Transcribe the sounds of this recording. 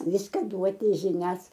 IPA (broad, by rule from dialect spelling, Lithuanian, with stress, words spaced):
ˈʋʲɪskɐ ˈduɔtʲɪ ʒʲɪˈnʲɛs